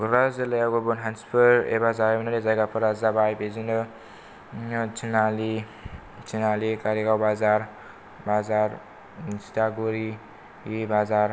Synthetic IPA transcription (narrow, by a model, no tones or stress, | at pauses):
ɡɾazelajawɡɔbɔnɦanspʰɯɾḛbazaabanaɾezajɡapʰɯɾazabajbezinɯ | t͡ʃinali | t͡ʃʰinalikaɾiɡawbazaɾ | bazaɾ | sitaɡuɾi | ibazaɾ